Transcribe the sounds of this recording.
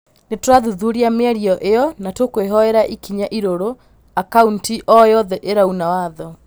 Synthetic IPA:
netwɾaðuðuɾiameaɾiɔʔeɔnatokoeɦɔɛɾaʔikiɲaʔiɾoɾo | akauntiʔɔjɔðɛʔeɾaunawaðɔ

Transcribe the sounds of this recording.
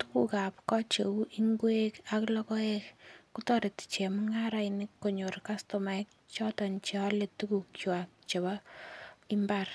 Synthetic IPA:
tukukapkɔt͡ʃeuʔiŋɡwekaklɔkɔekkutɔɾett͡ʃemuŋaɾainɪkːoɲorkastomak̚t͡ʃɔtɔnt͡ʃeɔletukukt͡ʃwak̚t͡ʃeba | imbar

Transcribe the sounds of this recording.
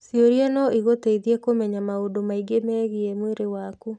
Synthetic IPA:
sjoɾjɛnɔʔiɣoteiðiɛkomɛɲamaodomaiɡemɛːɣiɛmweɾewaku

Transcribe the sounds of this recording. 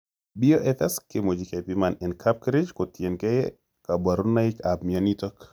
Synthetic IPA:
bioʔɛt̪ɛskɪmod͡ʒikepimanɛnkʰap̚kɾid͡ʒkotjenkɛj | kabaɾunaɪkabmianitɔk

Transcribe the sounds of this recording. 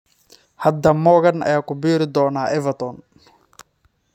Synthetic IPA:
hɐd̪ɐmɔːɣɐnɐ̰jaːkʊbiːɾɪd̪ɔːnaːʔɛvɐt̪ɔn

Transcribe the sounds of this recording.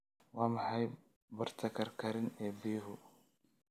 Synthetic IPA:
waːmɐħɑj | bɐɾt̪ʰɐkʰɐɾkʰɐɾɪnɛːbijɦʊ

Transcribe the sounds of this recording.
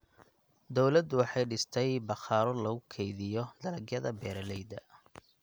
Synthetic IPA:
d̪ɔwlɐd̪wɑħɑjɖɪst̪ʰɛjbɑχɑːɾɔlɐɣʊkʰɛjðɪjɔd̪̥ɐlɐɡjɐðɐbɛːɾɐlɛjd̪ɐ

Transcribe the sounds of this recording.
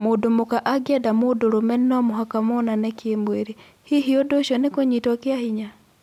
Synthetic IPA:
modomokaʔaɡiadamodoɾomɛnnɔmoɦakamonanɛkjembweɾi | hiɦiɔdoʃɔnekoɲitwakjahiɲa

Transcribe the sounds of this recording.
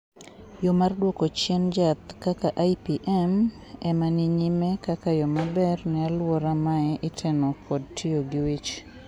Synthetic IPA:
jɔmardwɔkot͡ʃɛnd͡ʒat̪kakaʔajpiʔɛm | ɛmanɪɲimɛkakajɔmabɛrnɛalwɔɾamaɛʔɪtʰenokʰɔdtʰioɡɪwit͡ʃ

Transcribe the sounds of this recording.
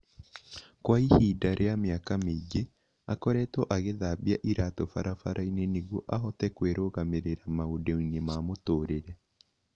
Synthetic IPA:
kwaihidaɾʔeamjakamed͡ʒe | akɔɾɛtɔʔaɣeðaβiaʔiɾatofaɾafaɾʔaineneɣwoʔaɦɔtɛkweɾʔoɣameɾeɾamaodɛinemamotoːɾeɾɛ

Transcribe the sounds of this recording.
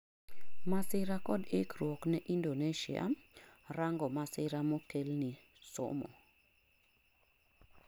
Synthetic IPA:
masɪɾakɔdekrwɔknɛʔindoneʃɪ̰a̰ | raŋɡɔmasɪɾamokelni | so̰mɔ̰

